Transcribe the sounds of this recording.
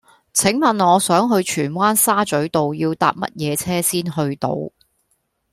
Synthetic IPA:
t͡sʰɪ˨˥ŋmɐ˨nɔː˨˧sœː˨˥ŋɦɵ˧ɥt͡ʃʰyː˨˩nwaː˥nsaː˥t͡sɵ˨˥ɥt̪o˨wjiː˧wt̪a̰ː˧p̚mɐ̰˥t̚jɛː˨˧t͡sʰɛː˥siː˥nɦɵ˧ɥt̪o̰˧w

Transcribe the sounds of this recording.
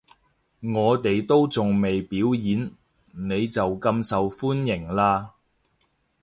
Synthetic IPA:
ŋɔː˨˧t̪e˨jt̪o˥wt͡sʊ˨ŋme˨jpiː˨˥wjiː˨˥n | ne˨˧jt͡sɐ˨wkɐ˧msɐ˨wfuː˥njɪ˨˩ŋlaː˧

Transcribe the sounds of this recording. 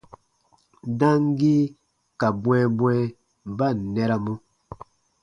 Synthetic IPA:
dã˦ŋ˦ɡi˦ | ka˨bw̃ɛ˦bwɛ˦ | ba˦˨nɛ˦ɾa˦mu˦

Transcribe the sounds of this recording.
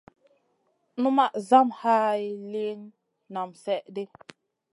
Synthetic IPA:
nu˦ma˦˨ʔza˦mha˦i˦li˦nː | a˨msɛ˦ʔde˦

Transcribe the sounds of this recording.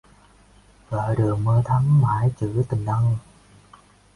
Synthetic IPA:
vəː˧˩ɗɨ˨˩əŋ̚məː˧t̪ʰa˧˥mmaː˧˩˦jt͡ɕɨ˧˩˦t̪ï˨˩ŋ̟ɗ̪ə˧ŋ

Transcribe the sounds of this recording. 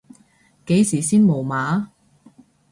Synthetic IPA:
ke˨˥jsiː˨˩siː˥nmo˨˩wmaː˨˥

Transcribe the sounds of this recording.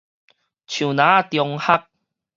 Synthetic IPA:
t͡ɕʰju˨˩nãː˨˦˧t̪jɔ˧ŋha˦k̚

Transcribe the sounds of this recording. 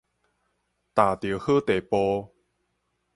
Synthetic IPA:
t̪a˨˩t̪ji˨˦hə˥˦t̪e˨˩po˧

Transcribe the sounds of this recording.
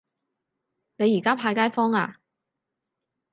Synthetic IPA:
ne˨˧jiː˨˩kaː˥pʰaː˧jkaː˥jfɔː˥ŋaː˧

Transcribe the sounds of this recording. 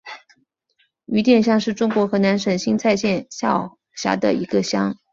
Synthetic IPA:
y˧˥t̪jɛ˥˩nɕjɑ˥˧ŋʂɻ̩˥˩ʈ͡ʂʊ˥ŋkwɔ˧˥xɤ˧˥na˧˥nʂə˨˩nɕi˥ŋt͡sʰa˥˧ɪɕjɛ˥˧nɕjɑ˥˩ʊ | ɕja̰˧˥d̪ə̰˨ḭ˧˥ɡə˧ɕjɑ˥ŋ

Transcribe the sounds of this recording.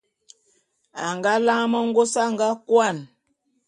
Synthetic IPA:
a˨ŋɡa˦la˦ŋ˦mə˦ŋ̩˦ɡo˦sa˦ŋ˨ɡa˦kwa˦˨n

